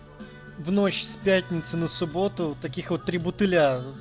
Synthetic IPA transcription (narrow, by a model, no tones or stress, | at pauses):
vnot͡ɕsʲpʲat̪ʲnʲɪt̪sɨnəsʊbot̪ʊt̪ɐkʲixot̪ːɾʲɪbʊt̪ɨlʲa